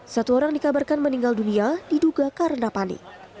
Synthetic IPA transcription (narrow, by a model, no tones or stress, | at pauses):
sat̪uoɾaŋdikabarkanməniŋɡalduniadiduɡakaɾənapanɪ̰k̚